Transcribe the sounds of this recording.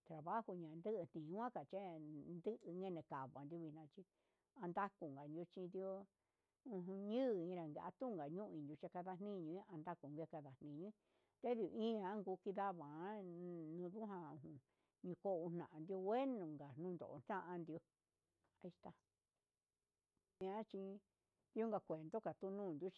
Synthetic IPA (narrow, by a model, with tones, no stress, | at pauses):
t̪ɾa˨βa˦hu˧ɲã˨˧nd̪ɨ˦ʔɨ˧n̥ĩ˨˧wʷã˦ka˨t͡ʃe˦nd̪ɨ˦ʔɨ˧ŋɡe˦nẽ˧˨ka˨βa˨nd̪u˧βi˧nã˧t͡ʃi˧ | a˧nd̪a˦ku˧ŋɡa˨nd̪ju˧t͡ʃĩ˧nd̪jo˧ | ũ˧ɦũ˧ɲɨ̃˦˨ĩ˧ɾa˨ŋɡe˧ʔa˧t̪u˦˨ŋɡa˨ɲũ˦˧ĩ˧nd̪ju˧t͡ʃe˧ka˧ða˧n̥nĩ˦ɲũ˧ĩ˦ʔa˧nd̪a˦ku˨ŋɡe˧ka˧ða˨n̥ĩ˧ɲũ˧˦ĩ˦ | t̪e˦ði˧ĩ˦ã˧˦ŋɡu˧˦ki˧ða˦βã˨˦nũ˧ðu˦ɦã˧ũ˧ɦũ˧˨ | ɲũ˧ko˦˧ũ˧n̥nã˨ʔã˧nd̪i˧o˧we˦nũ˨ŋɡa˨nũː˦˧nd̪o̰˨ʔo˧nã˦ʔã˧nd̪i˧o˧ | i˧st̪a˧ | ñ˧a˦t͡ʃi˧ | d̪i˧˦o˦ŋɡa˨kʷe˨nd̪o˦ka˨t̪u˧nũː˦˨nd̪ju˦t͡ʃ